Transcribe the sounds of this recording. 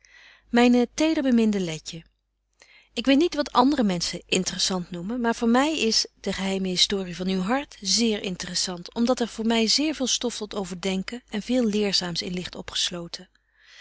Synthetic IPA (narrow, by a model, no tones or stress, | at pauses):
mɛjntejdəɹbəmɪndəlɛcə | ɪkʋejtnitʋɑtɑ̰ndərəmɛnsəʔɪntərəsɑntnumənmaːɹv̥ʊːɹmɛjɪsd̥əχəɦɛjməɦɪstʊːrivɑnywɦɑɹtzɪːɹɪ̰ntərəsɑntɔmdɑtɛɹv̥ʊːɹmɛjzɪːɹvɪːlˠstɔftɔtowvəɹdɛŋkənɛnvɪːlˠlɪːɹzaːmsɪ̰nlɪχtɔpχə̥slowtʰə